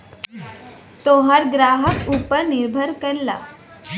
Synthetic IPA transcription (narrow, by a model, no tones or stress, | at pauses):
t̪oɦɐɾɡɾaːɦəkuːpəɾnɪɾbʱəɾkɐɾla̰ː